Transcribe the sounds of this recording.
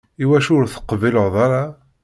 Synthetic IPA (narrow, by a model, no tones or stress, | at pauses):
iwæʃʊɾθə̥qviləʁðˤɑɾɑ